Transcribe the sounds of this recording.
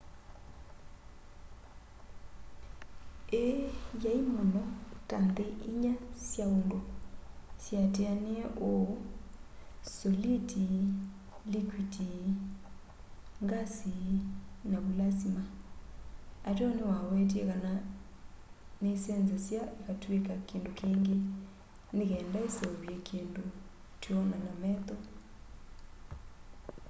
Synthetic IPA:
ejaimɔnɔtandɛʔiɲasjaundo | sjatɛaneɛʔo | sɔliti | likwidi | ŋɡasi | naβulasima | atɔnewawɛt̬iɛkana | nesɛnzɔsjaʔekatwekakeːndokeːŋɡe | nekɛːndaesɔmbiɛkʰeːndo | tjɔnanamɛt̪ɔ

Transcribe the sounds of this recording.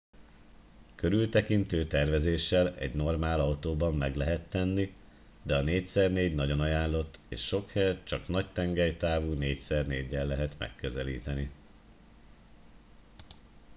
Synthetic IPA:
køɾylt̪ɛkint̪øːt̪ɛrvɛzeːʃːɛlɛ̰ɟno̞rmaːlɒwt̪oːbɒmːɛɡlɛɦɛt̪ːɛnːi | d̪ɛɒneːcsɛrneːɟnɒɟo̞nɒjaːnlːo̞t̪ːḛːʃːo̞khɛːrt͡ʃɒknɒct̪ɛŋɡɛjt̪aːvuːneːcsɛrneːɟːɛlːɛɦɛt̪mɛ̰kːøzɛlḭːt̪ɛni

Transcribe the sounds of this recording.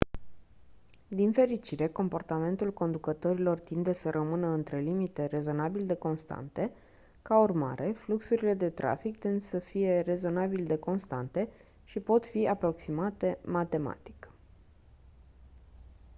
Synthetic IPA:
d̪infe̞ɾit͡ʃiɾe̞ko̞mpo̞rt̪ame̞nt̪ulko̞nd̪ukət̪o̞ɾilo̞rt̪ind̪e̞səɾʔəmɨnəɨnt̪ɾe̞limit̪e̞re̞zo̞nabild̪e̞ko̞nst̪a̰nt̪e̞ | kaurma̰ɾe̞fluksuɾile̞d̪e̞t̪ɾa̰fikt̪end̪səfije̞re̞zo̞nabild̪e̞ko̞nst̪a̰nt̪e̞ | ʃipo̞t̪fiapɾo̞ksimat̪e̞mat̪e̞ma̰t̪i̥k

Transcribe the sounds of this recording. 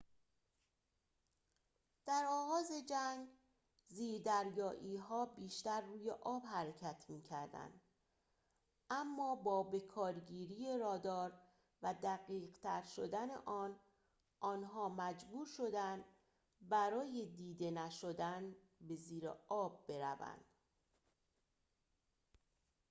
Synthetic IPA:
d̪̥æɾɒːɣɒːze̞d͡ʒæŋɡ | ziːɾd̪æɾjɒːʔiːɦɒːbiːʃt̪æɾːuːjeʔɒːbhæɾecʰæt̪ʰmiːcʰæɾd̪æ̰nd̪ | æmːɒːbɒːbe̞kʰɒːɾɟiːɾiːe̞ɾɒːd̪ɒːɾ | væd̪æɣiːɢt̪ʰæɾʃo̞d̪ænḛʔɒːn | ʔɒːnɦɒːmæd͡ʒbuːɾʃo̞d̪ænd̪ | bæɾɒːje̞d̪iːd̪e̞næʃo̞d̪æn | be̞ziːɾḛɒːbːe̞ɾæ̰væ̰nd̪̥

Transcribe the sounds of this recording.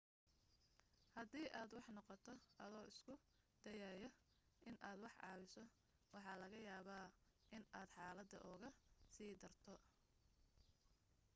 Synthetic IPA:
hɐd̪iːʔaːd̪wɑħnɔqɔt̪ʰɔʔɐðɔːʔɪskʰʊ | d̪̥ɐjaːjɐ | ʔɪnʔaːd̪wɑħʕɑ̰ːwɪsɔ | wɑħɑːlɐɣɐjaːβaːʔɪnaːd̪ħɑːlɐd̪ɐ̰ʔɔːɣɐsiːd̪ɐrt̪ʰɔ

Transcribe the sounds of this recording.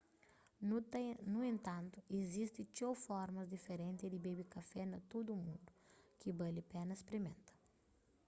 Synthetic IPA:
nuẽnt̪ɐ̃nt̪uezist̪ɪ̃t͡ʃowfɔɾmɐzd̪ifeɾẽnt̪ɪd̪ibebikɐfɛnɐt̪od̪umũnd̪ukibɐlipɛnɐspɾimẽnt̪ɐ̥

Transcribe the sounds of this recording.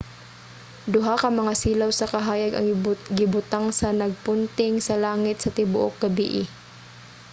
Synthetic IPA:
d̪ʊɦakɐmɐŋasiːlawsɐkɐɦaːjɐɡɐ̰ŋɡɪbʊt̪aŋsɐnɐɡ̚pʊnt̪ɪŋsɐlaːŋɪt̪̚sɐt̪ɪbʊʔok̚ɡɐbḭʔɪ

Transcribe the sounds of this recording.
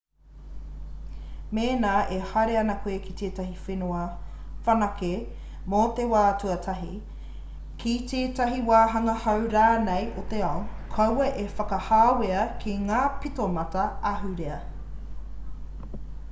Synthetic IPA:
meːnaːʔehaɾeɐnɐkwuekit̪ʰeːtɐɦifenoɐfɐnɐke | mot̪ewaːtuɐtʰɐɦi | kʰitʰeːtɐɦiwaːɦɐŋɐhɐwɾaːnejʔot̪eɐon | kʰɐwɐʔefɐkɐhaːweɐkʰiŋaːpitomɐtɐɐɦʉɾeɐ

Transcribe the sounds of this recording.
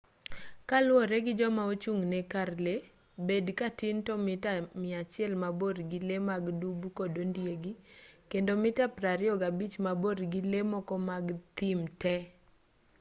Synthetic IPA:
kalwɔɾɛɡɪd͡ʒɔmaot͡ʃuŋnɛkarle | bedkatɪntɔmɪtamɪat͡ʃɪɛlmaboɾɡɪlemaɡdubukodondjeɡikendomɪtapɾaɾɪɔɡabit͡ʃmaboɾɡɪlemɔkɔmaɡt̪ɪmtɛ

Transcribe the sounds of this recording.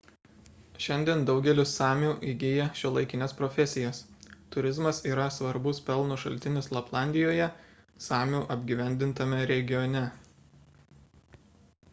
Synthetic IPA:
ʃʲɛnʲd̪ʲiɛnd̪ɒʊɡʲɛlʲɪsɑːmʲuːʔiɡʲiːjɛʃʲʊlˠɐɪkʲɪnʲɛspɾɔːfʲɛsʲɪjɛst̪ʊɾʲɪzmɐsiːɾɐsʋɐɾbʊspʲɛlˠnʊʃɐlʲt̪ʲɪnʲɪslˠɐplˠɑˑnʲd̪ʲɪjoːjɛsɑːmʲuːʔɐbʲɡʲiʋʲɛˑnʲd̪ʲɪnt̪ɐmʲɛɾʲɛɡʲɪjɔnʲɛ

